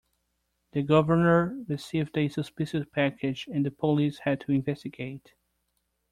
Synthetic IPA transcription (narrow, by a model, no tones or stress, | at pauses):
ðɨɡʌvə˞nə˞ɹɨsivdesɨspɪʃɨspʰækʰɨd͡ʒɨ̃nðɨpʰolishɨd̚tʰɨɪ̃nvɛstɨɡeɪt